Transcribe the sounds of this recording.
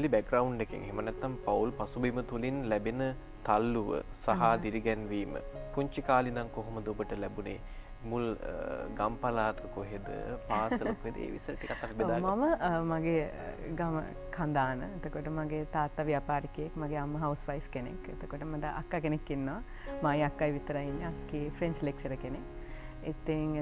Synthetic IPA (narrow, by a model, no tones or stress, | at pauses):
libækɾawuɳɖnekḛŋɦemənɛt̪ːampaulpasubimət̪ulinlɛbenə | t̪alːuʋə̰saɦad̪iɾiɡɛnʋiːmə̰kuɲt͡ʃikaːlinaŋkoɦoməd̪əobəʈəlɛbunḛː | mulɡampalaːt̪əkoɦed̪ə̰paːsəlokued̪ə̰ḛːʋḭsəɾəikat̪aːʋɛbed̪aːmaməmaɡe | ɡamə̰ | kʰand̪aːnə̰et̪okoʈəmaɡet̪aːt̪ːaʋjaːpaːɾikejekmaɡeamːəɦawusʋajfkenḛkḛt̪okoʈəmaʈəʔa̰kːakenekːinːoʋa | maiakːajʋit̪əɾainːeakːefʰɾeɲt͡ʃlek̚t͡ʃəɾəkenek | it̪iŋ